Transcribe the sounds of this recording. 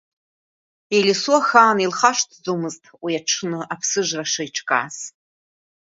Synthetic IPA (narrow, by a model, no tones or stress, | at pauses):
ilʲɪsuaxaːnilχaʂtʰd͡zomɨztʼwiaʈ͡ʂʰnɨʔapʰsɨʒʷraʂajʈ͡ʂʰkʼa̰ːs